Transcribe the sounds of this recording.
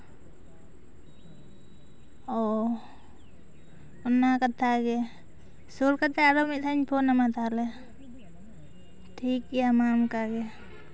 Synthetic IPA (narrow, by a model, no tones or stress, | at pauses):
ɔ | ɔnːakat̪ʰːaɡɛ | sulkat̪ːɛaɾɔmit̪ʰaɲpʰɔnamat̪alɛ | ʈʰikːiamamkaɡɛ